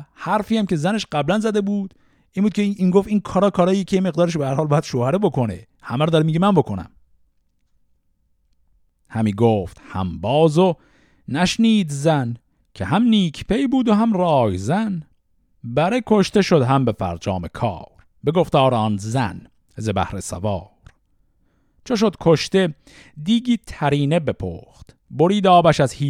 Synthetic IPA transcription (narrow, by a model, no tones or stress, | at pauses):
hæɾfiːæmce̞zæneʃɢæblænzæd̪e̞buːd̪ | ʔiːnbuːd̪̚cʰeiːŋɡoft̪iːnkʰɒːɾɒːkʰɒːɾɒːjiecʰejeme̞ɣd̪ɒːɾeʃbehæɾhɒːlbɒːjæd̪̥ʃoːhæɾebo̞kʰo̞nḛ | hæmæɾɔd̪ɒɾemiːɟemænbo̞kʰonæ̰m | hæmiːɡoːft̪hæ̰mbɒːzo | næʃniːd̪zæn | kʰehæmniːkʰpʰe̞jbuːd̪oɦæmrɒːjzæn | bæɾekʰo̞ʃt̪e̞ʃod̪ɦæmbe̞fæ̰ɾd͡ʒɒːme̞kʰɑ̰ːɾ | beɡoft̪ɒːɾɒːnzæ̰n | zebæ̰hɾe̞sæ̰vɑː | ɾ | t͡ʃʰoʃ̬od̪kʰoʃt̪e̞ | d̪iːɡiːt̪ʰæɾiːne̞be̞pʰo̰ːxt̪ | boɾiːd̪ɒːbæʃæzhiː